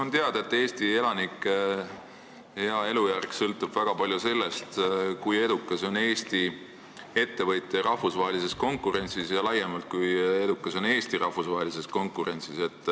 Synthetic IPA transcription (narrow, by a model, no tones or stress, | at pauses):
ont̪eɑd̪̥ɑe̞t̪ːˑe̞ːst̪ie̞lɑnikˑː | heɑe̞lujærksɤlt̪ːˑub̥væɡ̥ɑpɑlʲjuse̞lːe̞st̪kuje̞d̪ukːˑɑso̞ne̞ːst̪i | e̞t̪ːe̞vɤjt̪ːˑerɑhfusvɑɦelise̞sko̞ŋkːuɾe̞nʲsisjɑlɑjːemɑlt̪̚kuje̞d̪ukːˑɑso̞ne̞ːst̪iɾʔɑhfusvɑɦelise̞sko̞ŋkuɾe̞nʲsise̞t̪ːˑ